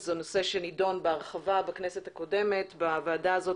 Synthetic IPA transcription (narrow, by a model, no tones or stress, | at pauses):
zonose̞ʃenido̞nbeaʁχavabaknesethako̞de̞me̞tbavaːdaːzo̞